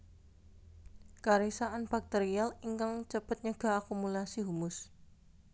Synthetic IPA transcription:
kaɾisaʔanb̥ak̚t̪eɾialiŋkaŋt͡ʃəpət̪̚ɲəɡ̥a̤akumulasiɦumʊs

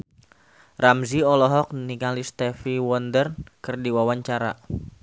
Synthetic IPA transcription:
ramziɔlɔɦɔk̚niŋalist̪ɛfiwɔndərkɨrdiwawaɲt͡ʃaɾa̰

